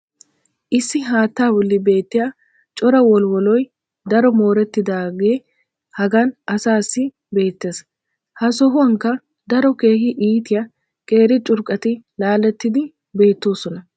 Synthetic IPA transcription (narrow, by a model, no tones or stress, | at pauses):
ʔɪsːɪɦaːt̪ːaːwɔlːɪbe̞ːt̪ːɪja | t͡ʃʼɔɾɐwɔlwɔlɔj | d̪ɐɾɔmo̞ːɾɛt̪ːɪd̪aːɡe̞ː | hɐɡɐnʔɐsaːsːɪ | be̞ːt̪ːe̞ːs | hɐsɔɦʊɐŋkːɐ | d̪ɐɾɔke̞ːhɪʔiːt̪ɪjɐ | kʼe̞ːɾɪt͡ʃʼʊɾkʼɐt̪ɪlaːlɛt̪ːɪd̪ɪ | be̞ːt̪ːo̞ːsɔnɐ